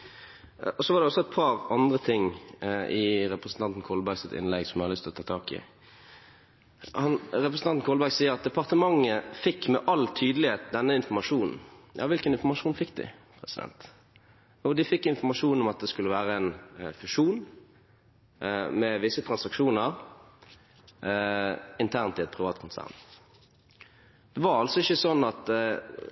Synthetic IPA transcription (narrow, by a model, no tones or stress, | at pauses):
ɔsɔʋɑʁdɛɔsːɔɛt̪̚pʰɑʁɑnd̪ʁət̪ʰɪŋː | ɪʁɛpɾəsən̩ɑnn̩kʰɔlbæɡsɪt̪ɪ̰nlɛɡsɔmjæhɑlʏst̪ʰɪlɔt̪ʰɑːt̪ʰɑːkɪ̰ | hɑnʁɛpɾəsn̩ɑnn̩kʰɔːlbæɾɡsiːəɾɑt̪̚d̪ɛpɑʁt̪əmɑŋːəfɪkːmɛʔɑlːt̪ʰyːd̪əlɪheːt̪̚d̪ɛnːəɪnfɔʁmɑʂuːnn̩jɑ̰ːʋɪlkənɪnfɔʁmɑʂuːnfɪkːd̪ɪ̰pʰʁɛsɪd̪ɛ̰nt̪ | ɔd̪ɪfɪkːɪnfɔmɑʂuːnɔmɑt̪̚d̪ɛskʉlːəʋæːɾəɛnfʉʂuːn | mɛʋɪsət̪ʰɾɑnsɑkʂuːnəɾ | ɪnt̪ʰæʁnt̪ɪɛt̪̚pʰʁɪʋɑ̰ːt̪kʰʊnsæ̰ːʁn | d̪̥ɛʋɑɾɑlsɔɪçːəsɔnːɑt̪